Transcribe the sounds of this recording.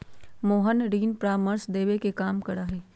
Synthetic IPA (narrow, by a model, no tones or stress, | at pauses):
moːɦənɾiːnpɾaːməɾsd̪eːʋekekaːmkɐɾaːɦɛː